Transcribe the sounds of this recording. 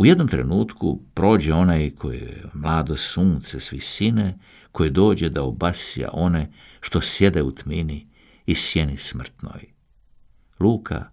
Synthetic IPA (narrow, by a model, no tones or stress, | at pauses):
ujed̪no̞mt̪ɾe̞̰nuːt̪kṵpɾo̞ːd͡ʑeo̞najkʰo̞jḛmlˠaːd̪o̞suːnt̪sesʋisine | kʰo̞jid̪o̞ːd͡ʑe̞d̪aobasija̰ʔo̞neʃt̪o̞sje̞d̪eut̪mini | isjenismr̩t̪no̰j | luːkʰa̰